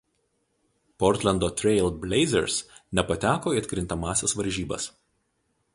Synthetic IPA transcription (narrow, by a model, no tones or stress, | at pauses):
pɔɾʲt̪ʲlʲɛnd̪oːt̪ʲɾʲɛɪlʲˠbʲlʲɛɪzʲɛɾsnʲɛpɐt̪ʲæːkoːiɐt̪ʲkʲɾʲɪnt̪ɐmɑːsʲɛsʋɐɾʲʒʲiːbɐ̰s